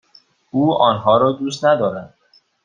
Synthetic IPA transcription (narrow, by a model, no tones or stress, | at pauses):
uːɒːnɦɒːɾɒːd̪uːst̪næd̪ɒːɾænd̪̥̚